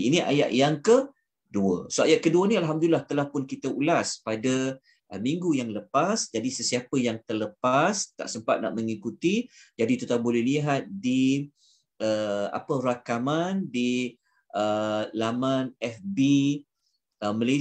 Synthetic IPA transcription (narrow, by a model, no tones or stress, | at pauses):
iniʔa̰ja̰t̪̚jaŋkə | duə̰soajat̪̚kəduənĩalɦamd̪ulilːaht̪əlahpʊnkit̪əulaspada | əmiŋɡujaŋləpasd͡ʒadisəsiapəjaŋt̪ərləpast̪a̰ʔsəmpat̪̚na̰ʔməŋikut̪id͡ʒadit̪ut̪abolɛhliɦat̪̚di | əa̰pəɾakamandi | ʔəlamanɛfbi | əməle